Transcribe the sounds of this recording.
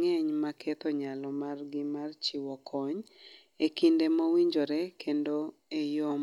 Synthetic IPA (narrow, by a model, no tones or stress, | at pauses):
ŋeɲmakʰɛt̪ɔɲalɔmarɡɪmart͡ʃiwɔkʰɔɲ | ekindemowiɲd͡ʒoɾɛkʰendo | ejo